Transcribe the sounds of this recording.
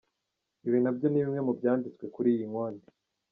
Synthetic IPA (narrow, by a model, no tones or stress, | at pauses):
iβinabjo̞niːβimŋe̞mubjaːndit͡skwe̞kuɾiːjiŋoːndi